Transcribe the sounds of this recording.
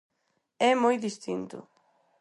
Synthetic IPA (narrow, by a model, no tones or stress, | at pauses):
ɛmojðist̪int̪ʊ̰